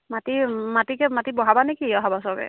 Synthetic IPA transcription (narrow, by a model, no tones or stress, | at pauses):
matimatikɛmatibɔɦabanekiɔɦabasɔkɛ̰